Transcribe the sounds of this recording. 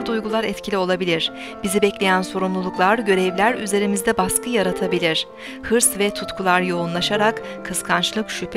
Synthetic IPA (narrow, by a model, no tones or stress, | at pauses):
ɾd̪ujɡulˠaɾɛt̪cʰilʲio̞lˠabilʲiɾ̥ | b̥izibɛclʲe̞jænso̞ɾumlˠulˠuklˠaɾɟø̞ɾɛvlʲæɾyze̞ɾimizd̪ɛbaskʰɯjaɾat̪ʰabilʲiɾ̥ | hɯɾsvɛt̪ʰut̪kʰulˠaɾjo̞unlˠaʃaɾakʰː | ɯskʰant͡ʃlˠɯkʃypʰ